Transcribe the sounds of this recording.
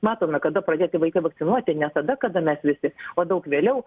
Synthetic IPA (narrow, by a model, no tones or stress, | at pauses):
mɑːt̪oːmʲɐkɐd̪ɐpɾɐd̪ʲeːt̪ʲɪʋɐɪkɐɪʋɐkt̪sʲɪnuɔt̪ʲɪnʲɛst̪ɐd̪ɐkɐd̪ɐmʲɛsʋʲɪsʲɪoːd̪ɐʊkʋʲeːlʲɛʊ